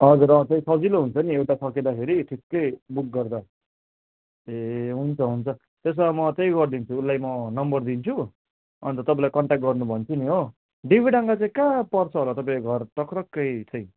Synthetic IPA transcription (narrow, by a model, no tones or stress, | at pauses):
ɦʌd͡zuɾʌt͡sʌĩsʌd͡ziloɦunt͡sʰʌniewʈasʌked̪apʰeɾiʈʰikːʌjbuk̚ɡʌrd̪a | eɦunt͡sʰʌɦunt͡sʰʌ | t̪es̬ʌmʌt͡sʌj̃ɡʌrd̪int͡sʰuːlːajmʌnʌmbʌrd̪int͡sʰu | ʌ̰nt̪ʌt̪ʌp̬ãlajkʌɳʈak̚ʈ̚ɡʌrnubʱʌnt͡sʰuniɦo | ɖibʱiɽʌŋɡat͡sãĩkapʌrt͡sʰʌɦolat̪ʌpãĩɡʱʌrʈʌkrʌkːʌjt͡sʰʌj